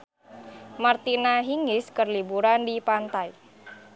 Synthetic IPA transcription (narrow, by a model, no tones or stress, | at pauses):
mart̪inaɦiŋɪskərlibuɾandipant̪ai